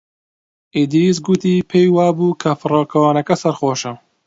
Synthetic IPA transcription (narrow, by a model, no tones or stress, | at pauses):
ʔid̪iːs̬ɡut̪iːpʰejwaːbuːkʰɐfɨroːkʰɐwaːnɐkɐsɐɾxoːʃɐ